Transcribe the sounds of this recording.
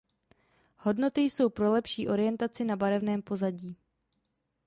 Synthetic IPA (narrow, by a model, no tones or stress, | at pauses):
ho̞dno̞t̪ɪjso̞wpɾo̞lɛpʃiːʔo̞ɾɪjɛnt̪at͡sɪnabaɾɛvnɛːmpo̞zaɟiː